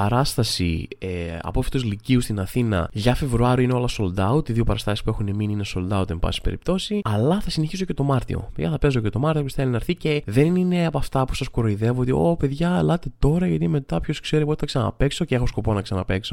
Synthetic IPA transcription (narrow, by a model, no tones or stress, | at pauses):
pɐɾɐst̪ɐsḭeɐ̰pofi̥t̪ozliciust̪inɐθinɐ̰ʝɐfe̞vɾuɐɾioineo̞lɐso̞ld̪ɐut̪iðio̞pɐɾɐst̪ɐsi̥spue̞xuneminiineso̞ld̪ɐut̪imbɐ̰si̥pe̞̰ɾip̚t̪o̞siɐlɐθɐsineçiso̞ce̞t̪o̞mɐɾt̪ḭo̞̰peðʝɐθɐpe̞zo̞cet̪o̞mɐɾt̪ioosθelinɐɾθice̞ðe̞nnine̞ɐpɐft̪ɐpu̥sɐskuɾoiðe̞voot̪io̞pe̞ðʝɐlɐt̪e̞t̪o̞ɾɐʝɐt̪ime̞t̪ɐpço̞skse̞ɾipot̪i̥θɐksɐnɐ̰pe̞kso̞ceexo̞sko̞po̞nɐksɐnɐpe̞kso̞